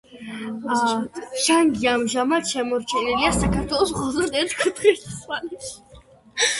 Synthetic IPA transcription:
ʒaŋɡiamʒamat̪ʃɛmɔɾt͡ʃʰɛniliasakʰaɾt̪ʰwɛlˠɔsʁɔzɾd̪ɛt̪kʰut̪χist̪salʃi̥

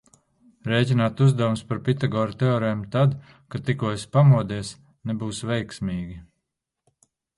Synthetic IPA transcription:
ɾɛːjcʲinaːt̪uzd̪awumspaɾpit̪aɡɔːɾut̪eɔːɾɛmt̪ad̪ | kat̪ikuɔjspamuɔd̪iɛs | nebuːsvɛjksmiːɡʲi

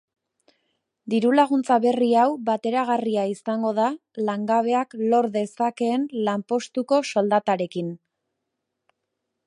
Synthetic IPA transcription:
d̪iɾulaɣ̞unt͡saβe̞riawbat̪e̞ɾaɣariaisaŋɡo̞ð̞alaŋɡaβ̞e̞aklo̞ɾðe̞sake̞ːnlampo̞st̪uko̞so̞ld̪at̪aɾe̞kin

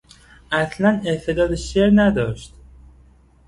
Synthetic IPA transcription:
ʔæslænet̪ʰe̞d̪ɒːd̪eʃeɾnæd̪ɒːʃt̪̚

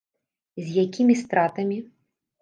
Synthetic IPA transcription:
zʲjakʲʰimʲist̪ɾat̪ɐmʲi

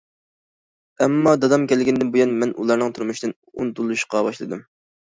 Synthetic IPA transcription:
ɛmːɑd̪ɑd̪ɑmkʲʰɛlɡʲind̪ɪnbujɛnmɛnʔṵlˠɑɾnɨŋt̪ʰuɾmuʃd̪ɨn | ṵnt̪ulˠuʃqɑbɑʃlˠɨ̰d̪ɨm

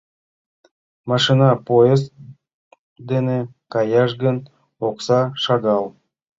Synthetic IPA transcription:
mɑʂinɑpoest̪ | d̪enekɑjɑʃɡən | oqsɑʃɑɡɑlˠ

